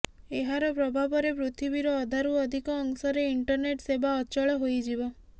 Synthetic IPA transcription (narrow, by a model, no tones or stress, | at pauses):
eɦaɾɔpɾɔbʱabɔɾepɾut̪ʰibiɾɔːd̪ʱaɾuɔd̪ʱikɔːŋsɔɾeiɳʈɔɾneʈsebaɔt͡ʃɔɭɔɦojd͡ʒibɔ